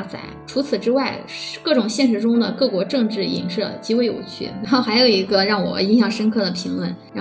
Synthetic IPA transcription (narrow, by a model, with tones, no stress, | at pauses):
t͡sa̰˧˩ɪʈ͡ʂʰu˧˥t͡sʰɹ̩˨˩ʈ͡ʂɻ̩˥wa˥˩ɪʂkɤ˥˩ʈ͡ʂʊ˨˩ŋɕjɛ˥˩nʂ̬ɻ̩˧˥ʈ͡ʂʊ˥ŋd̪ə˨kɤ˥˩kwɔ˧˥ʈ͡ʂɤ˥˧ŋʈ͡ʂɻ̩˥˩ḭ˧˩ŋʂɤ˥˩t͡ɕi˥we˥ɪjo̰˨˩ʊt͡ɕʰy̰˥˩ɻa˧˥nxo˥˩ʊxa˧˥ɪjo˨˩ʊi˧˥ɡə˧ɻɑ˥˩ŋwɔ̰˨˩i˥nɕjɑ˥˩ŋʂə˥nkʰɤ˥˩d̪ə˩pʰi˧˥ŋlwə˥˩nɻa˧˥